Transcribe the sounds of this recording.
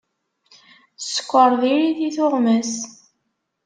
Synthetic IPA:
sːə̥kʷːəɾˤðiɾiθiθʊʁməs

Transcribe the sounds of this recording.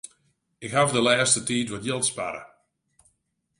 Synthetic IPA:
ɪkhavdəlɛːstətiːtʋɔtjɪlˠtspa̰ɾə̰

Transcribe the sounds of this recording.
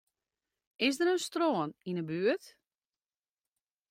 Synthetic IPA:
ɪsdəɾənstroəninəbyət

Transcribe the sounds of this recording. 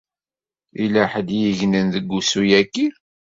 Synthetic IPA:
ilæħəd̪jiʝnənðəɡːusujækːiɾ

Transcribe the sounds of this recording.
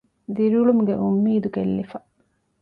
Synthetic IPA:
d̪iɾiuɭumuɡḛʔumːiːd̪ukelːifɐ

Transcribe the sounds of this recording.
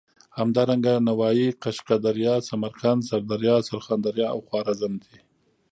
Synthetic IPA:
hamd̪ɑɾaŋɡanawɑjiqaʃqad̪aɾjɑsamaɾkansaɾd̪aɾjɑsaɾxɑnd̪aɾjɑawxwɑɾazand̪i

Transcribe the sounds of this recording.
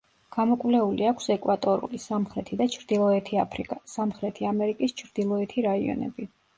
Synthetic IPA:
ɡ̥amɔkʼwlɛuliakʰsɛkʼwat̪ʼɔɾṵlisamχɾɛt̪ʰid̪at͡ʃʰɾd̪̥ilˠɔɛt̪ʰiapʰɾikʼasamχɾɛt̪ʰiamɛɾikʼist͡ʃʰɾd̪̥ilˠɔɛt̪ʰiɾaḭɔ̰nɛ̰bi

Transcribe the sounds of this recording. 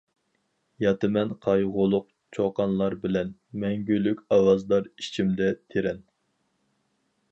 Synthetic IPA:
jɑt̪ɨmɛnqʰɑjʁʊlˠʊq̚ | t͡ʃʰoqɑnlˠɑɾbɪlɛnmɛŋɡʲylːykʲɑwɑzd̪ɑɾit͡ʃʰimd̪ɛt̪ʰeɾɛn

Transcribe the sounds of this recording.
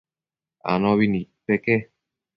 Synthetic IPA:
a̰nɔβinipːeke

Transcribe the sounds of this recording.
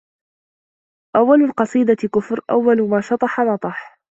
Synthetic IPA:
ʔawːalʊlqɑsˤiːd̪akʊfɾʔa̰wːalʊmaːʃɑt̪ˤɑħanɑt̪ˤɑħ

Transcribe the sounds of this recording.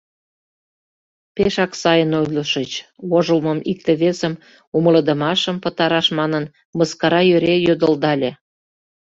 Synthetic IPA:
peʃɑksɑjənojləʃət͡ɕ | βoʒəlməmik̚t̪ĕβesəm | umələ̆d̪ə̆mɑʃəmpə̆t̪ɑɾɑʃmɑnən | məskɑɾɑjøɾejød̪əld̪ɑlʲe

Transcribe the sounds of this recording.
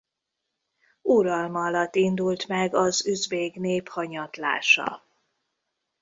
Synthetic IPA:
uɾɒlmɒːlɒt̪ːind̪ult̪mɛɡɒzyzbeːɡneːphɒɲɒt̪la̰ːʃɒ̰

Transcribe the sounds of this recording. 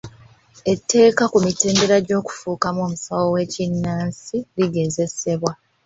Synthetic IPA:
e̞tːe̞ːkakumite̞ːnbe̞ɾaɟo̞ːku̥fuːkamoːmusawowe̞cinːaːnsiliɡe̞ze̞se̞βwa

